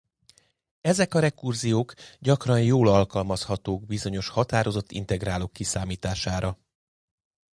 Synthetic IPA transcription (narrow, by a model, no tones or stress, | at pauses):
ɛzɛkɒɾɛkurzijoːkɟɒkrɒnjoːlɒlkɒlmɒshɒt̪oːɡbizo̞ɲo̞ʃhɒt̪aːɾo̞zo̞t̪ʰːḭnt̪ɛɡraːlokːisaːmiːt̪aːʃaːɾɒ